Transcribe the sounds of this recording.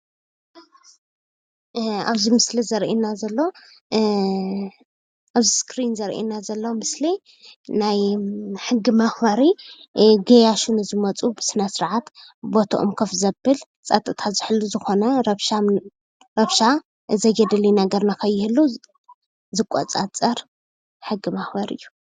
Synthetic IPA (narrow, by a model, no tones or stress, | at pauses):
a̰βzimɨslizɐɾʔinazɐlːo | ʔaβziskʰɾinzɐɾʔḭnazɐlːomɨsli | najħɨɡːimɐxbaɾi | ɡejaʃunɨzɨmɐt͡sʼubɨsɨnɐsɨɾʕat̪bo̞t̪ʰɐʔomkʰɐfzɐbːɨl | t͡sʼɐt̪ʼɨt̪ʰazɨħɨlːuzɨxo̞nɐɾɐβʃa | ɾɐβʃa | zɐjɛd̪ɨlinaɡɐɾnakʰɐjːɪhɨlːu | zɨkʼot͡sʼat͡sʼɐɾ | ħɨɡimaxbɐɾɨ̰jːu